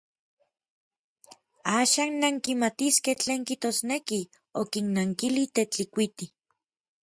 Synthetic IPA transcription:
aːʃaːnːaŋkimat̪iskeht͡ɬeːŋkiht̪oːsneki | okinnaŋkilit̪et͡ɬikʷit̪i

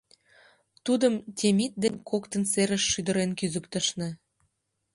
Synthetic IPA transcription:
t̪ud̪əmtʲemit̪̚d̪enʲkʰokt̪ə̆nseɾə̆ʃːyd̪ə̆ɾenkyzəkt̪əʃnĕ

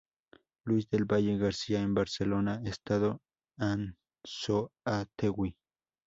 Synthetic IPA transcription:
lusd̪elbajeɡaɾsiaembaɾselonaest̪aðo | an | soat̪ewwi

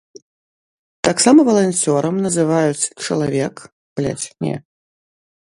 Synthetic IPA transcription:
t̪aksamɐvɐlˠanʲt͡sʲɔɾɐmnɐzɨvajut͡sʲt͡ʂɐlˠavʲɛk | plʲa̰t͡sʲnʲɛ̰

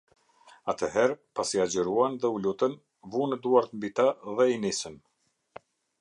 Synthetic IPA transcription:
at̪əɦɛɾpasiad͡ʑəɾuanðɛulut̪ən | vunəd̪uaɾt̪əmbit̪aðɛinisən

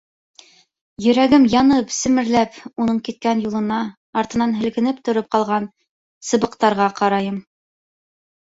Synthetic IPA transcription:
jɵ̆ɾæɡɘmjɑnɤpsɘ̆mɘ̆ɾlæpunɤɴkit̪̚kænjulˠɤ̆nɑː | ɾt̪ɤ̆nɑnɦɘ̆lkɘ̆nɘpt̪ŏɾop̚qɑlˠʁɑn | sɤ̆βɤ̆qt̪ɑɾʁɑqɑɾɑjɤm

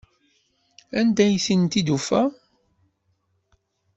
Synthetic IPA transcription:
ænd̪æjθint̪id̪ufæ

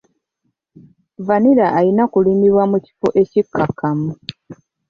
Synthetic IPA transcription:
vaniɾaʔːjinakulimiβwamuci̥foʔe̞cikʰːakʰːamu

